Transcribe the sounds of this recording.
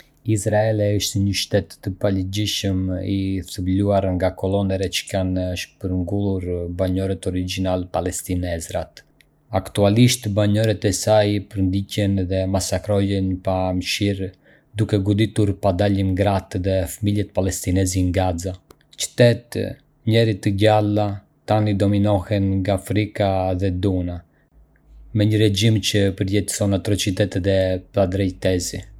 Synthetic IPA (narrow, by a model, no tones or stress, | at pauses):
isɾaɛlɛəʃt̪əɲəʃt̪ɛt̪ːəpaləd͡ʒiʃəmiθəbluaɾŋɡakɔlɔnɛɾɛt͡ʃə̥kanəʃpəɾŋɡulˠuɾbaɲɔɾɛt̪ɔɾid͡ʒinalɛpalɛst̪inɛzɾat̪ | akt̪ualiʃt̪baɲɔɾɛt̪ɛsajpəɾnd̪icɛnðɛmasakɾɔjɛnpamʃiɾ | d̪ukɛɡud̪it̪uɾpad̪alinɡɾat̪ðɛfamiljɛt̪̚palɛst̪inɛziŋɡaza | t͡ʃə̥t̪ɛt̪ | ɲɛɾit̪əɟala | t̪anid̪ɔminɔhɛnŋɡaːfɾikaðɛd̪una | mɛɲəɾɛd͡ʒimcəpəɾjɛt̪sɔnat̪ɾɔt͡ʃit̪ɛt̪ɛt̪ɛpɾad̪ɾɛjt̪ɛzi